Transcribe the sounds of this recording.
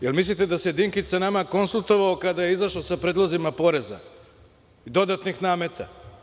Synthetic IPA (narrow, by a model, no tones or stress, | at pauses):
jelmis̬lit̪ed̪ased̪iŋkit͡ʃ̪sanamako̞nsulˠt̪o̞ʋaokad̪aje̞izaʃlosapɾeːd̪lˠozimapo̞ɾe̞za̰ | id̪o̞d̪at̪nixnaːmet̪a̰